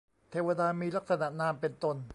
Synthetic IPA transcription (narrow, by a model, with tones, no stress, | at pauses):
t̪ʰeː˧wa˧daː˧miː˧la˦˥k̚sa˧na˨˩ʔnaː˧mpe˧nt̪o˧n